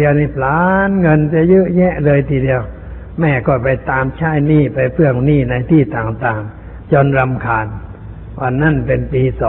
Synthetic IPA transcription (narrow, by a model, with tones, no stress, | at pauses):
i˧ə˧wni˧˩pʰlaː˧˦nŋɤ˧˨nt͡ɕa˧jɯ˧˥ʔɲɛ˦˧˥ʔlɤː˧jt̪ʰiː˧di˧əw | mɛː˧˩kɔː˧˩pa˧jt̪aː˧mt͡ɕʰaː˧˥˩jniː˧˩pa˧jpʰɯ˧˥˩əŋniː˧˩na˧jt̪ʰiː˧˩t̪aː˨˩ŋt̪aː˨˩ŋ | t͡ɕɔː˧˨nɾa˧mkʰaː˨˧n | waː˧˩na˧˥˩npe˧npiː˧˩sɔː˨